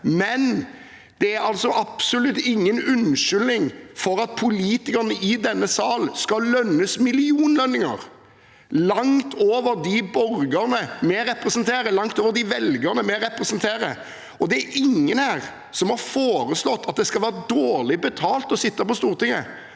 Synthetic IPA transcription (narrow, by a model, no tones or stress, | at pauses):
mɛn | d̪̥ɛæɾɑlt̪sɔʔɑpsʊlʉt̪ːɪŋːənʉnʃʏlnɪŋfɔɾɑt̪̚pʰʊliːt̪ɪkəʁnəʔɪd̪ɛnːəsɑːlskɑlœnːəsmɪlɪuːnlœnːɪŋə̰ɾ | lɑŋt̪ʰoːʋəɾd̪ɪbɔɾɡəʁnəmɛɾɛpɾɛsnt̪ʰeːɾəlɑŋt̪oːʋəɾd̪ɪʋɛlɡəʁnəmɛɾɛpɾɛsənt̪ʰeːɾə̰ | ɔd̪ɛæʔɪŋːənhæːʁ | sɔmhɑɾfoːɾəslɔt̪ːɑt̪̚d̪ɛskɑlʋæːɾəd̪oːɾlɪbət̪ʰɑːlt̪ɔsɪt̪ːɑpɔst̪uːʁt̪ɪŋːə̰